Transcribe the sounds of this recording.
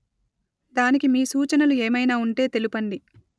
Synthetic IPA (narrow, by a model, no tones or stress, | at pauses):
d̪aːnikimiːsuːt͡ʃɐnɐlueːmɐjnaːuɳʈe̞ːt̪e̞lupɐɳɖi